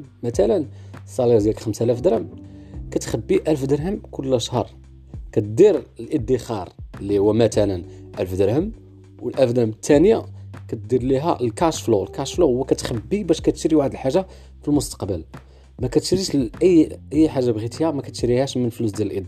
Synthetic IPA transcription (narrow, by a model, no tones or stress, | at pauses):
mæt̪ælən | sˤːɑlid̪jælkxəmsælæfd̪ɾəmkæt̪xəbːiʔælfd̪əɾɦəmkʊlːʔəʃhɑɾˤ | kæt̪d̪iɾəlʔəd̪ːixɑɾˤəlːihʊwːæmæt̪ælən | ʔælfd̪əɾhəm | wəlʔæfd̪əɾəmət̪ːænjakæt̪̚d̪iɾliɦæəlkɑʃflulkɑʃfluwəkæt̪xəbːibæʃkæt̪əʃɾiwaʕd̪əlħaʒːa | filmʊst̪ɑ̥qbəl | mækæt̪ə̥ʃɾiʃʔəjːʔəjːħaʒːabɣit̪ijːæmækæt̪əʃɾihæʃmənflus̬d̪jæləlʔid̪